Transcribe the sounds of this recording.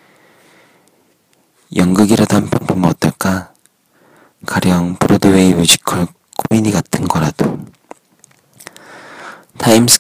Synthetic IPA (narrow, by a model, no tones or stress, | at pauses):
jʌŋɡɯɡiɾʌdampʰjʌnpʰomʌt͈ʌɭk͈a | kaɾjʌŋpuɾodoweimjud͡ʑʰi̥kʰʌɭ | kʰomiɲiɡatʰɯnɡʌɾad̥o̰ | tʰaimsʰɯ̥